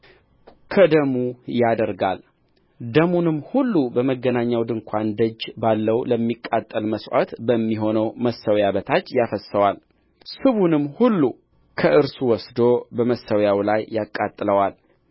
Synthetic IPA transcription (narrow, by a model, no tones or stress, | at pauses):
kʰəd̪əmujad̪əɾɡa̰l | d̪əmunɨmhulːubəməɡːənaɲːawd̪ɨŋkʷʰand̪əd͡ʒbalːəwləmːikʼːat̪ʼːəlməsʔa̰t̪bəmːiɦo̞nəwməsːəwjaβət̪ʰat͡ʃːjafəsəwal | sɨβunɨmːhulːu | kʰəʔɨɾsuwɔsd̪o̞bəməsːəwjawlajːakʼːat̪ʼːɨləwal